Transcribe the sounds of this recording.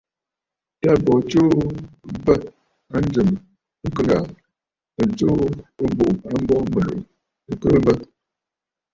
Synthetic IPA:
ta˦bɔ˨t͡ʃo˦ | bə˦˨t̚ | a˦n˦d͡ʒə˨m̩˦ | kə˦la˨ | ə˨t͡ʃo˦ə˦bo˨ʔa˦m˦bɔ˦mə˨lo̰˨ʔ | ə˨kə˦bə˦t̚

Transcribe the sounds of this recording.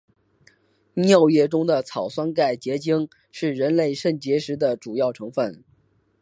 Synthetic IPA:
njɑ˥˧ʊjɛ˥˩ʈ͡ʂʊ˥ŋd̪ə˨t͡sʰɑ˨˩ʊswa˥nka˥˩ɪt͡ɕjɛ˧˥t͡ɕi˥ŋ | ʂɻ̩˥˩ɻə˧˥nle˥˧ɪʂə˥˩nt͡ɕjɛ˧˥ʂɻ̩˧˥d̪ə˨ʈ͡ʂu˨˩jɑ˥˩ʊʈ͡ʂʰɤ˧˥ŋfə˥˩n

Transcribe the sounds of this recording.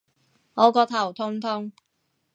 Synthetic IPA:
ŋɔː˨˧kɔː˧t̪ʰɐ˨˩wt̪ʰʊ˥ŋt̪ʰʊ˥ŋ

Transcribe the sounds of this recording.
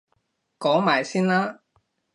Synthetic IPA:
kɔː˨˥maː˨˩jsiː˥nlaː˥

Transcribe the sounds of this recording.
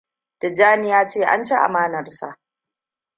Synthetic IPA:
d̥a˨d͡ʒaː˦nɪ˦jaː˦t͡ʃeː˦˨ʔa̰˦nt͡ʃe˦ʔa̰˨maː˦nɐ˨rsa̰˨ʔ

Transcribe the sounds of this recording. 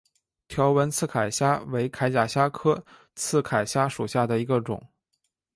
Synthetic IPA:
t̪ʰjɑ˧˥ʊwə˧˥nt͡sʰɹ̩˥˩kʰa˨˩ɪɕja˥we˧˥ɪkʰa˧˥ɪt͡ɕja˨˩ɕja˥kʰɤ˥ | t͡sʰɹ̩˥˩kʰa˨˩ɪɕja˥ʂu˨˩ɕja˥˩d̪ə˩i˧˥ɡə˧ʈ͡ʂʊ̰˨˩˦ŋ

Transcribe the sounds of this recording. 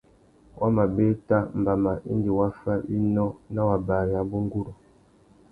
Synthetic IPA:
wʔa˦ma˨be˦ta˦m̩˨ba˨ma˨ʔḭ˦ndi˨wa˦fa˦ʔi˦nɔ˦na˦wa˨ba˨ɾa˨˦bu˦ŋ˦ɡu˦ɾɔ˨

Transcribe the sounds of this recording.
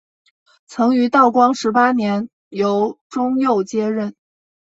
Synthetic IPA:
t͡sʰɤ˧˥ŋy˧˥t̪ɑ˥˩ʊkwɑ˥ŋʂɻ̩˧˥pa˥njɛ˧˥n | jo˧˥ʊʈ͡ʂʊ˥ŋjo˥˩ʊt͡ɕjɛ˥ɻə˥˩n

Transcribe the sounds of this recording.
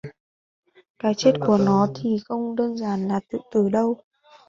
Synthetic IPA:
kaː˨˦jt͡ɕe˦˥t̚ku˧˩ənɔ˨˦t̪ʰi˨˩xə˧wŋ͡mɗəː˧nzaː˧˩nlaː˨˩t̪ɨ̰˧˨t̪ɨ˧˩ɗə˧w

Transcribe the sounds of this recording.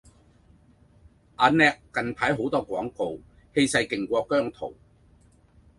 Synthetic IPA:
ʔaː˧nɛː˥kːɐ˨˧npʰaː˨˥jɦo˨˥wt̪ɔː˥kʷɔː˨˥ŋko˨˧w | he˧jsɐ˧jkɪ˨˩ŋkʷɔː˧kːœː˥ŋt̪ʰo̰˨˩w

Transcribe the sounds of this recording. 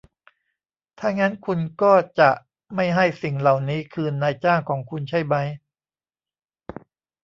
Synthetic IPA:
t̪ʰaː˥˩ŋːa˦˥nkʰu˧nkɔː˥˩t͡ɕa˨˩ʔ | ma˥˩jɦa˥˩jsi˨˩ŋla˨˩wniː˦˥kʰɯː˧naː˧jt͡ɕaː˥˩ŋkʰɔː˩˦ŋkʰu˧nt͡ɕʰa˥˩jba˦˥j

